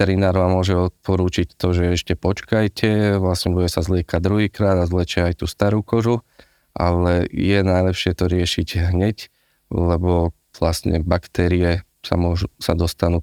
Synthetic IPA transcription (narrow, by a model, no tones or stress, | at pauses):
t̪ɛɾinaːɾʋamːʊɔʒɛɔt̪̚pɔɾuːt͡ʃict̪ɔʒɛɛʃcɛpɔt͡ʃkajcʰɛʋlasɲɛbuɟɛsazlɪɛkad̪ɾuɦiːkɾaːd̪azlɛt͡ʃɛajt̪uːst̪aɾuːkɔʒu | ʔa̰lɛjɛnajlɛpʃɪɛt̪ɔɾɪɛʃiɟɦɲɛc | lɛbɔ | ʋlasɲɛ̰bakt̪ɛːɾiɛ | sa̰mʊɔʒusa̰d̪ɔst̪anuː